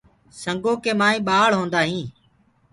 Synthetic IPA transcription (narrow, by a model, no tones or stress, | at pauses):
səŋɡoːkeːmaːĩːɓaːɭ̤ɦõːnd̪aːɦĩː